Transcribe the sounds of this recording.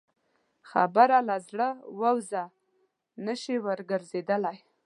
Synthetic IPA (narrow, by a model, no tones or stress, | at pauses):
xa̰baɾalazɽəwəwza | nəʃiwəɾɡəɾzed̪əlaj